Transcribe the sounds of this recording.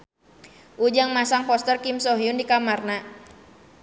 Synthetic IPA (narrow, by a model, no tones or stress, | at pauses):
ʔud͡ʒaŋmasaŋfɔst̪ərkimsɔɦiundikamarna